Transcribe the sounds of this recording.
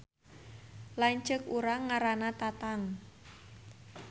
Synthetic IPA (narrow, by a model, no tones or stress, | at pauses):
laɲt͡ʃəkuɾaŋaɾanat̪at̪aŋ